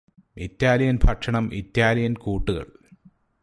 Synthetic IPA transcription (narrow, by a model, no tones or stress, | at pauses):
it̪ːjaːlɐjɐnbʱʰɐʈʂɐɳɐmʔḭt̪ːjaːlɐjɐnkuːʈːuɣɐ̰ɭ